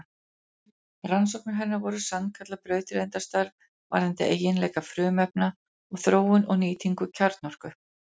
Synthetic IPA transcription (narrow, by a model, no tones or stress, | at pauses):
ransowknɪɦɛnːavɔɾʏsankʰat̪lapɾœːɥt̪ɾejnt̪ast̪aɾv | va̰ɾ̥θɛnt̪ɪʔeːjːɪnlɛːjkafɾʏːmɛp̚na | ɔɣθɾoːwʏnɔɣniːt̪ʰiŋkʏcʰaɾt̪nɔr̥kʏ